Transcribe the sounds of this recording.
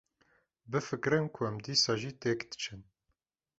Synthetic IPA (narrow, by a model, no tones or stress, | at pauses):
bəfəkɾənkwæmd̪isæʒit̪ekt̪t͡ʃːən